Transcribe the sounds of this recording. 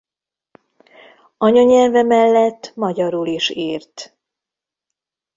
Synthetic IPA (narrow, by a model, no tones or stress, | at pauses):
ɒɲoɲɛlvɛmɛlːɛt̪ːmɒɟɒɾuliʃeːrt̪